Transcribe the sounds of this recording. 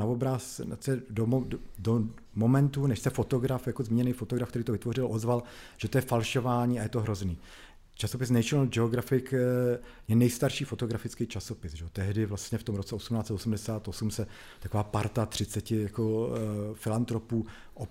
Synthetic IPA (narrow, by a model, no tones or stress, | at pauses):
aobɾasnat͡sɛdomdo | mo̞mɛnt̪unɛʃsɛfo̞t̪o̞ɡɾafjakozmiːɲɛnɛjfot̪oɡɾafkt̪ɛɾiːt̪oɪt̪vo̞rɪlʔozvalʒ̥ɛt̪ojɛfalʃo̞vaːɲiːajɛt̪oɦɾo̞zniː | t͡ʃaso̞pɪs̬nɛjt͡ʃɪɲld͡ʒɛoɡɾafɪk | jɛnɛjst̪aɾʃiːfo̞t̪o̞ɡɾafɪt͡skejt͡ʃaso̞pɪsʒɛot̪ɛɦdɪvlast̪ɲɛft̪omɾo̞t͡sɛosumnaːt͡sɛt̪osumdɛsaːt̪ʔosumsɛ | t̪akovaːpaɾt̪at̪r̝̥ɪt͡sɛcɪjakofɪlant̪ɾo̞puː | ʔo